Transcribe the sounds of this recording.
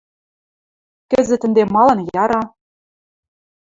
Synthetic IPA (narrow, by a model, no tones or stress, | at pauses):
kɘ̆zɘ̆t̪ɘ̆nd̪emɑlɤ̆njɑɾɑ